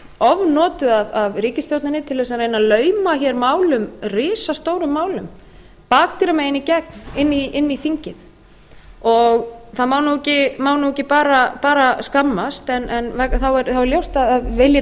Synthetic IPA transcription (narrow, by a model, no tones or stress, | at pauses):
ɔvnɔːt̪ʏavavɾiːcɪst̪jowt̪nɪnɪt̪ʰɪlvɛsaɾejnalœːɥmaçɛɾmaːwlʏmrɪːsast̪oːwɾʏmːaːwlʏm | paːk̚t̪iɾamaɪnːicɛknɪnːiɪnːiθiɲcɪθ | ɔɣθaðmaːwnuɛcɪmaːwnuɛcɪpaːɾapaːɾaskamːast̪ɛnʔɛnvɛθawɛɾθawɛɾljowst̪aðaðvɪlja